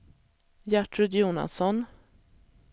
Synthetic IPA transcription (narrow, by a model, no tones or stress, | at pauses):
jæʈɾɵd̪juːna̰sɔn